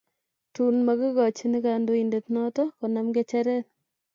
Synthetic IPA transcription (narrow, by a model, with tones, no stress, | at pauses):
tu˨nma˨kɪ˦ɡɔ˨t͡ʃi˦nɪ˦ka˨ndo˦i˨nde˨t̪nɔ˦tɔ˦kɔ˨na˦mɡe˦t͡ʃɛ˦ɾɛ˦n